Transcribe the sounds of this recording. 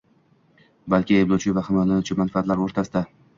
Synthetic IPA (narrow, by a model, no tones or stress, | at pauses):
balkʲɪebd̪owt͡ʃʰɪvahɪmɒjlanʊt͡ʃʰɪmanfaat̪laɾoɾt̪ʰasɪd̪a